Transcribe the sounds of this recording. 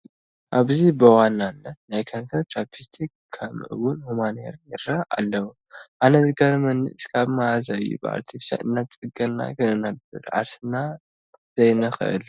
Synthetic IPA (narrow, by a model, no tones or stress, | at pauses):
ʔaβzibɨwanːanːɐt̪̚najkʰɐnsɐɾt̪ɾapʰist̪ʰikkʰːɐmɨʔɨ̰wʊnhumanḛɾjɨɾaʔa̰lːɐwu | ʔanɐzɨɡɐɾɐmɐnːɨ̰ʔskʰaβmaazaβḭbɨa̰ɾt̪ʰifsja̰ʔɨnːat͡sʼɨɡɐnna̰kʰɨɨnɐbɨɾʔʕa̰ɾsɨna | z̥ɐjnɐxɨ̰ʔɨ̰l